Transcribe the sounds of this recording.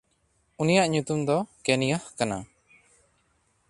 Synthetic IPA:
unijaʔɲut̪umd̪ɔkenijəhkana̰

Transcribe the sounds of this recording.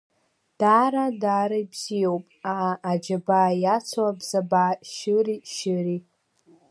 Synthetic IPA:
d̥aːɾadaːɾaibz̥ijowpʼaːd͡ʒabaːjat͡sʷʰwabzabaːʃɨriʃɨri

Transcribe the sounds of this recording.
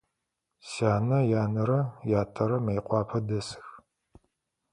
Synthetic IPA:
saːnɐjaːnɐɾɐjaːtʰʼɐɾɐmɐjqʷɑːpʰɐdɐsɨ̥x

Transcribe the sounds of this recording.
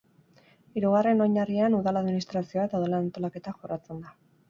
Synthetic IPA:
iɾuɣ̞are̞no̞ɲarianuðalaðminist̪ɾasio̞aet̪awðe̞laːnt̪o̞lake̞t̪aʝorat͡se̞nd̪a

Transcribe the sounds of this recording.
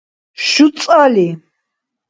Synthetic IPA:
ʃut̪sʼali

